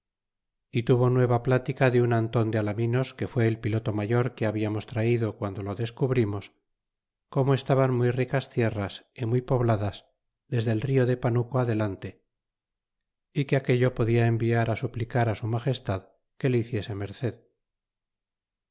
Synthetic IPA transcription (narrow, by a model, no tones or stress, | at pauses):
it̪uβo̞nwe̞βaplat̪ikaðeunant̪o̞nd̪ealamino̞ske̞fwe̞ːlpilo̞t̪o̞maʝo̞ɾke̞aβiamo̞st̪ɾaiðokwand̪o̞lo̞ðe̞skuβɾimo̞s | ko̞moe̞st̪aβanmujrikast̪je̞rasimujpo̞βlaðaz | ðe̞zðe̞lrio̞ðe̞panukoaðe̞lant̪e̞ | ikeake̞ʎo̞po̞ðiaembiaɾasuplikaɾasumaχe̞st̪að | ke̞leiθje̞se̞me̞ɾθe̞ð